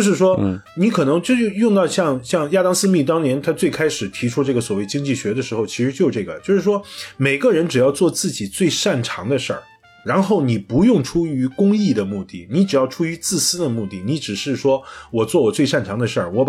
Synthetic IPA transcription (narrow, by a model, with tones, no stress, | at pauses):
t͡ɕjo˥˧ʊʂɻ̩˥˩ʂwɔ˥ | ni˧˥kʰɤ˨˩nɤ˧˥ŋt͡ɕjo˥˧˥jʊ˥˧ŋt̪ɑ˥˧ʊɕjɑ˥˧ŋɕjɑ˥˧ŋja˥˧t̪ɑ˥ŋsɹ̩˥˧mi˥˩t̪ɑ˥ŋnjɛ˧˥nt̪ʰa˥t͡swe˥˩ɪkʰa˥ɪʂɻ̩˨˩t̪ʰi˧˥ʈ͡ʂʰu˥ʈ͡ʂɤ˥˩ɡə˩swɔ˨˩we˥˩ɪt͡ɕi˥ŋt͡ɕi˥˩ɕɥɛ˧˥d̪ə˧ʂɻ̩˧˥xo˧˩ʊt͡ɕʰi˧˥ʂɻ̩˧˥t͡ɕjʊ˩ʈ͡ʂɤ˥˩ɡə˩t͡ɕjo˥˧ʊʂɻ̩˥˩ʂwɔ˥me˨˩ɪɡə˥˧ɻə˧˥nʈ͡ʂɻ̩˨˩jɑ˥˧ʊt͡swɔ˥˧t͡sɹ̩˥˩t͡ɕi˨˩t͡swe˥˧ɪʂa˥˩nʈ͡ʂʰɑ̰˧˥ŋd̪ə˧ʂə̰˞˥˩ | ɻa˧˥nxo˥˩ʊni˨˩pu˧˥jʊ˥˩ŋʈ͡ʂʰu˥y˧˥kʊ˥ŋi˥˩d̪ə˩mu˥˧t̪i˥˩ni˧˥ʈ͡ʂɻ̩˨˩jɑ˥˩ʊʈ͡ʂʰu˥y˧˥t͡sɹ̩˥˩sɹ̩˥d̪ə˨mu˥˧t̪i˥˩ni˧˥ʈ͡ʂɻ̩˨˩ʂɻ̩˥˩ʂwɔ˥wɔ˨˩t͡swɔ˥˩wɔ˨˩t͡swe˥˧ɪʂa˥˩nʈ͡ʂʰɑ˧˥ŋd̪ə˧ʂə˞˥˩wɔ˧˥